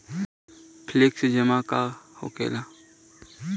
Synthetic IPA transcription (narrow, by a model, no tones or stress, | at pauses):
pʰleksd͡ʒəmakaːho̰kḛːla